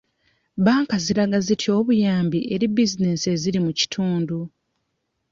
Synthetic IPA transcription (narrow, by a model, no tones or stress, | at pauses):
baːŋkaziɾaɡazitʰio̞ːβujaːmbiʔe̞ɾibizine̞se̞ziɾimuci̥tʰuːndu